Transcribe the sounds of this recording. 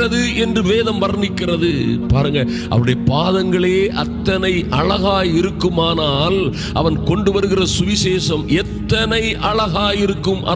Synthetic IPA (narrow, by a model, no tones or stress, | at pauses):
ɐðɯɛndrɯʋeːðɐmʋɐɾɐnɪkːɪrɐðɯpaːɾɯŋɡɐ | ʔɐ̰ʋɐɽɐjɐpaːðɐŋɡɐɭeːʔɐt̪ːɐnɐɪʔɐɭɐɣaːjɪɾɯkːɯmaːnaːl | ʔɐ̰ʋɐnkɔɳɖɯʋɐɾɯɣɪrɐsʊʋɪseːʂɐmɛt̪ːɐnɐɪʔɐɭɐɣaːjɪɾɯkːɯmʔɐ̰